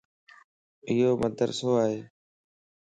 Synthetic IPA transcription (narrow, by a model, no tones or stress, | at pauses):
ɪɦoːməd̪əɾsoːaːɦeː